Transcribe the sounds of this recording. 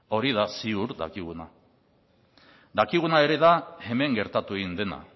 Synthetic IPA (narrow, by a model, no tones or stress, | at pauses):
o̞ɾiðasiuɾd̪a̰kiɣ̞una | d̪akiɣ̞unae̞ɾe̞ðae̞me̞ŋɡe̞ɾt̪at̪ueɣind̪e̞na̰